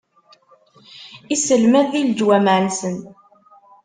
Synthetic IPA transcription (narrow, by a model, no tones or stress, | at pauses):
isəlmæðːild͡ʒwæmʕənsən